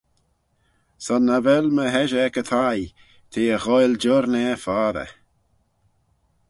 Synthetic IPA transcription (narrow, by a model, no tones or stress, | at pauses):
sɔnavɛlməɦɛʒəɛkət̪ʰaj | t̪ʰeːəɣɔjld͡ʒɔɾnɛfaːɾə̰